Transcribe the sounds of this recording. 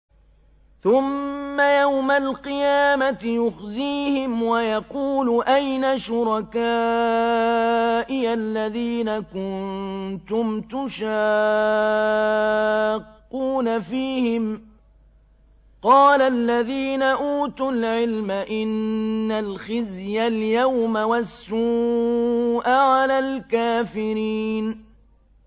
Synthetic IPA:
θʊmːajawmalqɨjaːmat̪ɪjʊxðiːhɪmwajɑquːlʊʔajnaʃʊɾˤɑkaː | ʔɪalːaðiːnakʊnt̪ʊmt̪ʊʃa | qːuːnafiːhɪm | qɑːlalːaðiːnaʔuːt̪ʊlʕɪlmaʔɪnːalxɪzjaljawmawasːu | ʔaʕalaːlkaːfɪɾiːn

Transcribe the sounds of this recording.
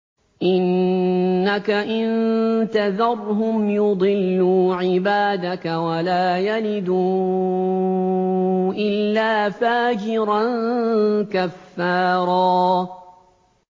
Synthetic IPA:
ʔɪnː | akaʔɪnt̪aðɑɾˤɦʊmjʊd̪ˤɨlːuːʕɪbaːd̪akawalaːjalɪd̪uː | ʔɪlːaːfaːd͡ʒɪɾan | kafːɑːɾˤɑː

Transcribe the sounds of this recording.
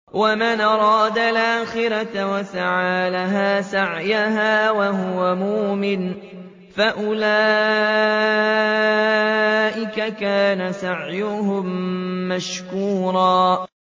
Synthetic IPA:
wamanʔɑɾˤɑːd̪alʔaːxɪɾat̪wasaʕaːlaɦaːsaʕjaɦaːwaɦʊwamuːmɪn | faʔʊlaː | ʔɪkakaːnasaʕjʊɦʊmːaʃkuːɾˤɑː

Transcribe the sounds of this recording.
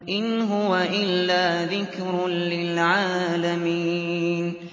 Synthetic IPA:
ʔɪnɦʊwaʔɪlːaːðɪkɾlɪlʕaːlamiːn

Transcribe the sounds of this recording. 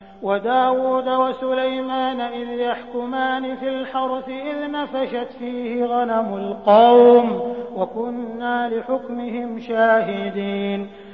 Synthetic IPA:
wad̪aːwuːd̪awasʊlajmaːnaʔɪðjaħkʊmaːnɪfilħɑɾˤfɪʔɪðnafaʃat̪fiːhɪɣanamʊlqɑwmwakʊnːaːlɪħʊkmɪhɪmʃaːɦɪd̪iːn

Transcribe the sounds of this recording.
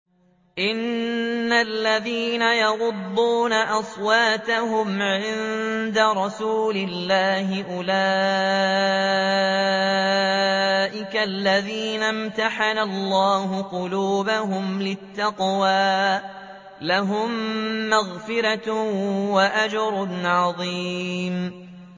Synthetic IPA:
ʔɪnːalːaðiːnajɑɣʊd̪ːuːnaʔɑsˤwɑːt̪aɦʊmʕɪnd̪aɾˤɑsuːlɪlːaːhɪʔʊla | ʔɪkalːaðiːnamt̪aħanalˤːɑːhʊqʊluːbaɦʊmlɪt̪ːɑqwaː | laɦʊmːaɣfɪɾa | waʔad͡ʒɾˤʊnʕɑðˤim

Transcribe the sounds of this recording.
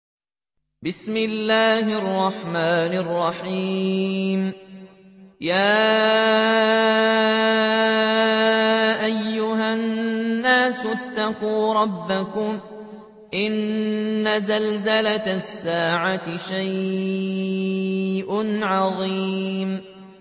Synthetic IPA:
bɪsmɪlːaːhɪʔɑrˤːɑħmaːnɑrˤːɑħiːm | jaː | ʔajːʊɦanːaːsʊʔat̪ːaquːɾˤɑbːakʊm | ʔɪnː | azalzalat̪sːaːʕat̪ɪʃaj | ʔʊnʕɑðˤim

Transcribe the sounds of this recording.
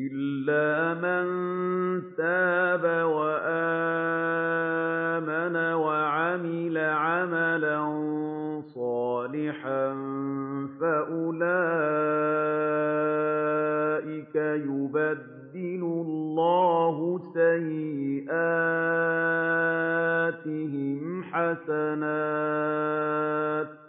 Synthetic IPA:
ʔɪlːaːman | t̪aːbawaʔa | manawaʕamɪlaʕamalan | sˤɑːlɪħa | faʔʊlaː | ʔɪkajʊbad̪ːɪlʊllːɑːɦʊsajʔaː | t̪ɪɦɪmħasanaː | t̪̚

